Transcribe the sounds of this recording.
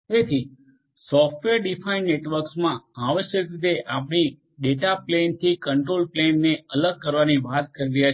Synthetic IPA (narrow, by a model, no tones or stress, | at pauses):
et̪ʰi | sɔfʈʋeɾɖifʰainːeʈʋəɾksmãaʋəʃjəkɾit̪eʔapɽ̃i | ɖeʈaplent̪ʰikəɳʈɾolplenːeələɡ̚kəɾʋaniʋat̪̚kəɾiɾəja